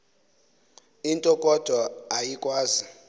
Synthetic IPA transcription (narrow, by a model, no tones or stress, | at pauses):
intʼɔkʼɔd̥ʱɔajikʼwaːzi